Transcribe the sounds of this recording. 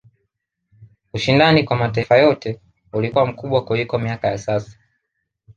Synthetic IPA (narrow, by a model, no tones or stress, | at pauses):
uʃindanikwamataifajɔtɛ | ulikuwam̩kuɓwakulikɔmiakajasasḁ